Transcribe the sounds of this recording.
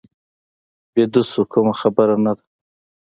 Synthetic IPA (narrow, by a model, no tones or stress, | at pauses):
bed̪usukʰʊmaxabəɾanad̪ḁ